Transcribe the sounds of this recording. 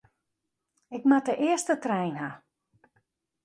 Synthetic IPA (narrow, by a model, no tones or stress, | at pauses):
ɪkmatəʔɪəstətrɛjnɦa